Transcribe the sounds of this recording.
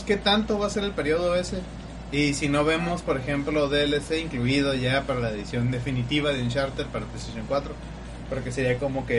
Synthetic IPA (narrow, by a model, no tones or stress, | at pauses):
ke̞t̪ant̪o̞βase̞ɾe̞lpe̞ɾjo̞ð̞o̞e̞se̞ | isino̞βe̞mo̞spo̞ɾe̞xe̞mplo̞ðeeleseiŋkluiðo̞ʝapaɾalaeðisjo̞nd̪e̞finit̪iβ̞aðeunt͡ʃaɾt̪eɾpaɾaplest̪asjoŋkwat̪ɾo̞ | poɾkeseɾiako̞mo̞ke̞